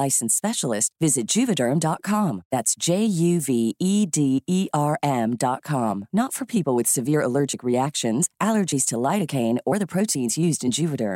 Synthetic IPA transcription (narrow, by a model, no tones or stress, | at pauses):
aɪsn̩spɛʃl̩ˠɪstvɪzɨt̚d̥ʒ̥ʉvɨɾə̃˞mdɑt̚kʰɑ̃mðætsd̥ʒ̥eɪjʉviidiiʔɑɹʔɛ̃mdɑt̚kʰɑ̃mnətfə˞pʰipl̩ˠwɨð̥sɨvɪɹəlɜ˞d͡ʒɨkɹiækʃɨ̃nzʔælˠə˞d͡ʒiz̥tʰəlaɪɾɨkʰẽɪ̃nə˞ðɨpʰɹ̥oʊɾĩnzjʉzdɨ̃nd͡ʒʉvɨɾə̰̃˞m